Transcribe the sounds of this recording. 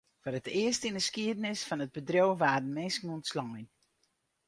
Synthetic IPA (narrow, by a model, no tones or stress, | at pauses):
fəɾətɪəstinəskiədənɪsfɔnət̚bədrowʋaːdn̩mɛnskn̩ɔntslɔŋəjn